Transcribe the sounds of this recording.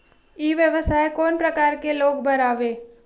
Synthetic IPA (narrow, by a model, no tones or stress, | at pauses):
eːʋjəʋəsaːekoːnpɾəkaːɾkeloːɡbəɾaːʋeː